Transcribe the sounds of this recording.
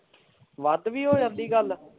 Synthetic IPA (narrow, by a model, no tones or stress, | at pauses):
ʋəd̪ʋiːɦoːd͡ʒə̃nd̪iːɡəl